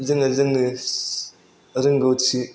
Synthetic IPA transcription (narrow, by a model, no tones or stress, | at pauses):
zɯŋazɯŋni | ɾɯŋɡowt͡sʰi